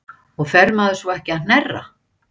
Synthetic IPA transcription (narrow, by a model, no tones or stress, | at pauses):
ɔɣfɛɾmaðʏsvuɛhcɪanɛrːa̰